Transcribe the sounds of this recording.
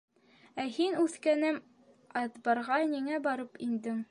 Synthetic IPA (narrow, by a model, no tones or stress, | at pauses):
æhinʉθkænɘm | ɑt̪bɑɾʁɑniŋæbɑɾɤpind̪ɘŋ